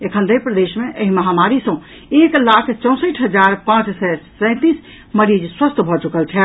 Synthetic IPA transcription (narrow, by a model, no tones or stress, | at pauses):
ekʰənd̪əjpɾəd̪eʃmeʔəɦiməɦamaɾisə̃ | eklakʰt͡ʃɔ̃w̃səʈʰɦəd͡ʒaɾpãt͡ʃsɛsɛ̃ɪ̃t̪is | məɾid͡ʒswəst̪ʰbʱɔt͡ʃukəlt͡ʃʰɛ